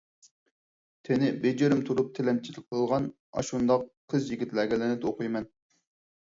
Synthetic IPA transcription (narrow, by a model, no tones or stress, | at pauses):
t̪ʰenɪbed͡ʒeɾɪmt̪ʰuɾup̚t̪ʰelɛmt͡ʃʰi̥lɪk̚qəlˠʁɑn | ɑ̰ʃund̪ɑqqʰːəzjiɡʲit̪læɡʲɛlɪnɪd̪oqujmɛn